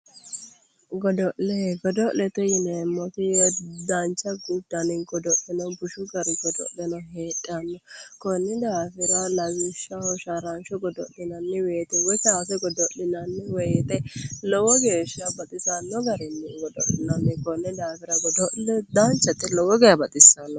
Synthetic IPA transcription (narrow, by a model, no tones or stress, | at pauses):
ɡɔd̪ɔʔlɛɡɔd̪ɔʔlɛt̪ɛjɪnɛːmːɔt̪ɪd̪ant͡ʃʼːɐɡʊd̪ːɐnɪŋɡɔd̪ɔlɪnɐbʊʃʊɡɐɾɪɡɔd̪ɔ̰ʔlɛnɐɦeːᶑʼanːɔkɔnːɪd̪aːfɪɾɐlɐɡɪʃːɐɔʃaɾant͡ʃɔɡɔd̪ɔ̰lɪnɐnːɪweːt̪ɛwɔjsaːfɛɡɔd̪ɔlɪnɐnːɪwɛt̪ɛlɔwɔɡeːʃɐbɐt̪ʼɪsɐnːɔɡɐɾɛnːɪɡɔd̪ɔ̰lɪnɐnːɪkɔnːɪd̪aːfɪɾɐɡɔd̪ɔʔlɛd̪ant͡ʃːɐt̪ːɪlɔwɔɡɛjɐbɐt̪ʼɪsːɐnːɔ